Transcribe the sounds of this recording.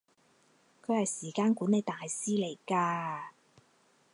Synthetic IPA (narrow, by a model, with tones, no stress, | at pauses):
kʰɵ˨˧ɥhɐ˨jsiː˨˩kaː˧nkuː˨˥ne˨˧jt̪aː˨jsiː˥le˨˩jkaː˧